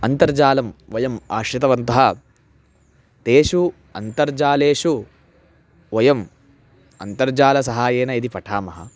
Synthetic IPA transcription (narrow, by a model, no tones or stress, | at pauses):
ɐnt̪ɐɾd͡ʒaːlɐmʋɐjɐma̰ːʃɾit̪̬ɐʋɐnt̪ɐɦɐ | t̪eːʂu | ɐnt̪ɐɾd͡ʒaːleːʂu | ʋɐjɐm | ɐ̰nt̪ɐɾd͡ʒaːlɐsɐɦaːjeːnɐid̪ipɐʈʰaːmɐɦɐ̰